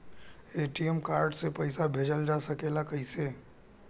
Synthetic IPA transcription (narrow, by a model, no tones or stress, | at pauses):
eʈijəmkaːɾɖsepəɪsabʱeːd͡ʒəld͡ʒasəkeːlakəiseː